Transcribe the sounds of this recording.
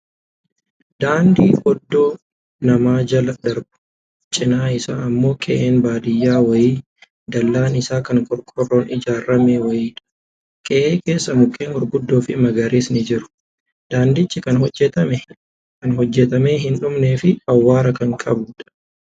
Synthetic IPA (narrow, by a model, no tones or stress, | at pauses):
d̪aːnd̪iːʔɔd̪ːo̞ː | nɐmaːd͡ʒɐlɐd̪ɐɾɡʊ̥ | t͡ʃʼɪnaːɪsa̰ːɐmːo̞ːkʼɛ̰ʔeːnbaːd̪ɪjːaːwɐjiː | d̪ɐlːaːnɪsaːkɐŋkʼɔɾkʼɔrːoːnɪd͡ʒaːrːɐmeːwɐjiːᶑɐ̥ | kʼɛʔeːkʼe̞ːsːɐmʊkʼːeːnɔɾɡʊd̪ːo̞ːfɪmɐɡɐɾeːsnɪd͡ʒɪɾʊ̥ | d̪̥aːnd̪ɪt͡ʃːɪkɐnhɔd͡ʒːɛt̪ɐmɛ | kɐnɦɔd͡ʒːɛt̪ɐmeːɦɪnᶑʊmneːfɪɐwːaːɾɐkɐŋkʼɐbʊːᶑɐ̥